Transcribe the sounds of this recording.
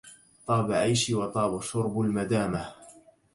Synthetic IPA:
t̪ˤɑːbaʕajʃwɑt̪ˤɑːbaʃʊɾbalmad̪aːmah

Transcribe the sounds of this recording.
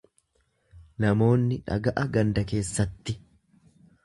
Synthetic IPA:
nɐmo̞ːnːɪᶑɐ̰ɡɐʔɐɡɐnd̪ɐke̞ːsːɐt̪ːɪ

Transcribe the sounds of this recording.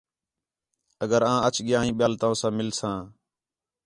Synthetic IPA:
əɡəɾãːət͡ʃʰɠɪjãːĩːɓɪjaːlt̪ãːsãːmɪlsãː

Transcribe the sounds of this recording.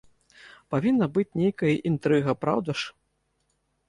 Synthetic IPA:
pavʲinːɐbɨt͡sʲnʲejkɐjɐʔint̪ɾɨɣɐpɾa̰wd̪ɐʂ

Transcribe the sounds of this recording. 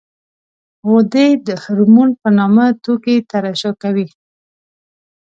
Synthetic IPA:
ɣod̪ejd̪əhʊɾmunpənɑmat̪oket̪aɾaʃokawi

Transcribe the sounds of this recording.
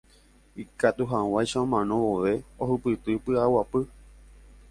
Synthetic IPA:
ikat̪uɦaw̃ajʃaõmãnõwoʋe̞oɦɨpɨt̪ɨpɨawapɨ

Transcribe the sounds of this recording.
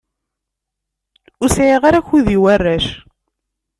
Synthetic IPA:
usʕiʁaɾaçuðiwærːæʃ

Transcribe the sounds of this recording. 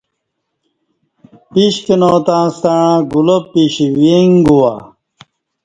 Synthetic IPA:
piɕkenoːt̪ãːst̪aɻãːɡulopːiɕiweŋɡuwa

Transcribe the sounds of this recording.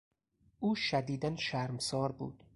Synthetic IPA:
ʔuːʃæd̪iːd̪ænʃæɾmsɒːɾbṵːd̪̥

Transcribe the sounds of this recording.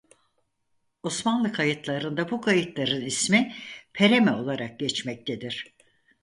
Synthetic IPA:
o̞smanlˠɯkʰajɯt̪ʰlˠaɾɯnd̪abukʰajɯt̪lˠaɾɯnismipʰe̞ɾemɛo̞lˠaɾak̚ɟɛt͡ʃmɛc̚t̪ʰed̪iɾ̥

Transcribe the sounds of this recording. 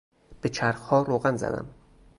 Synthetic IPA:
b̥et͡ʃʰæɾhɒːɾoːɣænzæ̰d̪æ̰m

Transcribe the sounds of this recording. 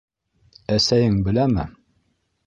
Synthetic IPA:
æsæjɘŋbɘ̆læmɘ

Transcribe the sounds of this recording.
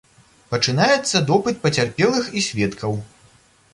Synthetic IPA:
pɐt͡ʂɨnajɛt̪sːɐd̪ɔpɨt̪̚pɐt͡sʲarpʲɛlˠɨxisʲvʲɛt̪kʰɐw

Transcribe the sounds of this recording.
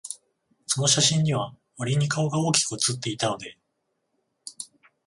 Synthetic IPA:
so̞no̞ɕaɕĩɲɲiβ̞a | maɾʲiɲ̟ikao̞ɡao̞ːkʲi̥kɯ̟t͡sɨt̪ːe̞it̪ano̞d̪e̞

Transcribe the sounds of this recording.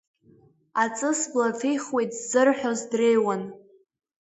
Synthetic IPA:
at͡sʼɨsblafejχwejtʰʼzzɨrħʷᶣozdrejwan

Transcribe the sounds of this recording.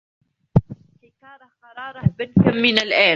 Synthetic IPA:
bɪnkamːɪnalʔaː

